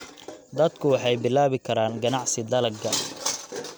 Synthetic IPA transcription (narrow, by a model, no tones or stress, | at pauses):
d̪ɐd̪kʰʊwɑħɑjbɪlaːβɪkʰɐɾaːnɡɐnɑʕsɪd̪ɐlɐɡɐ